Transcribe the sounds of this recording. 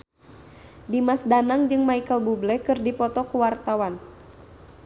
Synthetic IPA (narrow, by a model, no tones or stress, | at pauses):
dimasdanaŋd͡ʒɨŋmaikəlbublɛkɨrdipɔt̪ɔkuwart̪awan